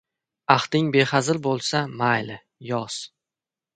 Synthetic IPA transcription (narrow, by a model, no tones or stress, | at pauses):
aχt̪ɪŋbe̞χazɪlbolˠsamajl | jɒs